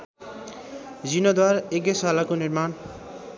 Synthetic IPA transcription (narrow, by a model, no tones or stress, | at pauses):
d͡zinod̪waɾekesalakoniɾman